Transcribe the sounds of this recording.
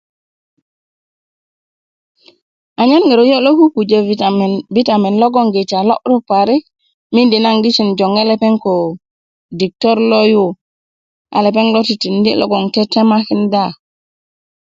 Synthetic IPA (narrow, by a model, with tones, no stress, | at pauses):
a˨ɲa˦nŋi˨ɾu˨jo˦lo˦ku˦ku˨d͡ʒe˨vi˦ta˨mi˨nlo˦ɡo˦ŋɡi˨t͡ʃa˨lo̰˦ʔɾu˦pa˨ɾi˦k | mi˦ndi˨na˦ŋɡi˦t͡ʃi˨nd͡ʒo˨ŋe˦le˦pe˦ŋko˨ | di˨k̚to˦ɾlo˦ju˦ | ʔa̰˨le˨p̬e˦ŋlo˦ti˨ti˨ndi˦lʔo̰˦ɡo˨ŋte˦te˦ma˦ki˦nda˦˨